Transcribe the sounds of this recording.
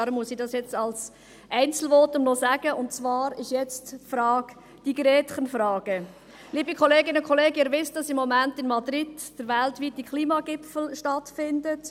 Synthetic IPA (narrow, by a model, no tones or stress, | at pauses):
ɾəmuəsidɑsjɛt͡sɑls | ʔɛɪnt͡sl̩ʋɔtəmnɔsæɡ̥əʔʊntt͡svɑːɾɪʃjɛt͡stfɾɑːɡ̥ | d̥iɡɾɛːtχənfɾɑːɡ̥ə | liːbikχɔleːɡɪnəkʰχɔleːɡɛɾʋɪsd̥ɑsɪmːɔmæntɪnmɑdɾɪd̥d̥əɾʋæltʋit̚d̥ikχliːmɑɡɪpfl̩ʃtɑtfɪndət